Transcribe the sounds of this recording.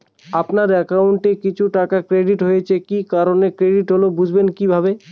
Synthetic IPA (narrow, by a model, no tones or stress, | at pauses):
apnaɾɛkawɳʈekit͡ɕʰuʈakakɾeɖiʈɦojet͡ɕʰekikaɾonekɾeɖiʈɦolobud͡ʑʱbenkibʱabe